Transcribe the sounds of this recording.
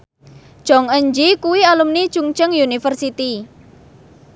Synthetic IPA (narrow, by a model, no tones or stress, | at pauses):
ʒ̥ɔŋəɲd͡ʒikuwialumnit͡ʃuŋt͡ʃəŋjunifərsit̪i